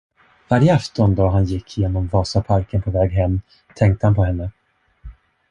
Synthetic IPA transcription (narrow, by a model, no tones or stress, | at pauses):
vaɾjəaft̪ɔnd̪ɑːɦanjɪkʰːjeːnɔmvɑːsapʰaɾkənpʰɔvɛːɡɦɛmː | t̪ʰɛŋkt̪əhanpɔɦɛnːə